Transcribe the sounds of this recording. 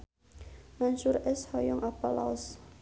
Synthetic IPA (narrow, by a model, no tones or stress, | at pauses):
mansuɾɛshɔjɔŋʔapɔla̰ɔs